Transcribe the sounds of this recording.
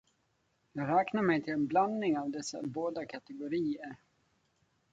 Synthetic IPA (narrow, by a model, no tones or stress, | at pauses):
jɑːɡɾɛːknaɾmɛjt̪ʰɪlɛnbland̪nɪŋavd̪ɛsːa̰boːd̪akʰat̪ɛɡʊɾiːəɾ